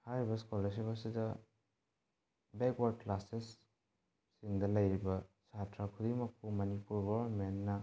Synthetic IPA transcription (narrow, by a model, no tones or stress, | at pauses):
haɾibɐskoles̬ibasidɐ | beɡwaɾklasesː | iŋdɐlɐjɾibɐsatɾakʰudimɐkʰːumɐnipuɾɡowɐɾmenːɐ